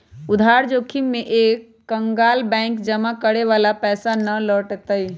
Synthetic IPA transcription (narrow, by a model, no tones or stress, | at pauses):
ʊd̪ʱaːɾd͡ʒoːkʰimːẽʔeːkːə̃ŋɡaːlbɛ̃ːŋkd͡ʒəmakəɽeʋaːlapɛːsanəlɔːʈt̪əi